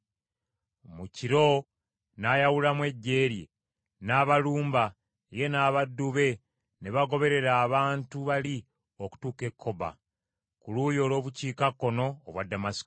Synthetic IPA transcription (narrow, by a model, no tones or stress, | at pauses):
muciɾo̞ | najawulamwe̞ɟːe̞ːɾji | naːβaluːmba | je̞naːβadːuβe̞ | neβaɡo̞βe̞ɾe̞ɾaːβaːntuβali | oku̥tuːke̞kʰːo̞ba̰ | kuluːjo̞ːlo̞ːβuciːkakːo̞no̞ːβwadːamasi̥k